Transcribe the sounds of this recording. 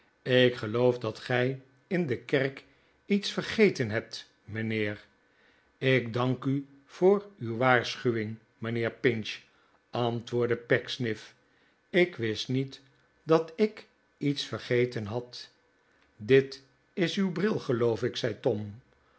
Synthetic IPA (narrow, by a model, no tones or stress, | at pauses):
ɪkχəlowfdɑtχɛj | ɪndəkɛrk | itsfərχejtənɦɛp̚t | mənɪːr | ɪkdɑŋky | v̥ʊːɹywʋaːɹsχyʋɪŋ | mənɪːɹpɪnʃ | ɑntʋʊːɹdəpɛksnɪf | ɪkʋɪstnit | dɑtɪk | itsfəɹχejtənɦɑt | dɪt | ɪsywbrɪlˠχəlowfɪksɛjtɔm